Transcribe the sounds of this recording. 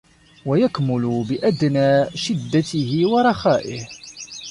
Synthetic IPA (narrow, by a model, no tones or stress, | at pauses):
wajakmʊlʊbɪʔad̪naːʃɪd̪ːat̪ɪhɪwɑɾˤɑxaːʔɪh